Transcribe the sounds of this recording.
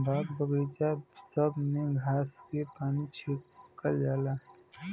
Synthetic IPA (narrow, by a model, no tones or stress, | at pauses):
baːkbəɣeːd͡ʒasəbneɡʱaːskepaːnit͡ʃʰeːkːəld͡ʒaːlaː